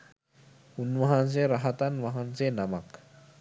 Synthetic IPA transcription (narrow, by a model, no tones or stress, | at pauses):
hunuwaɦanzeɾaɦat̪anwaɦanzenamak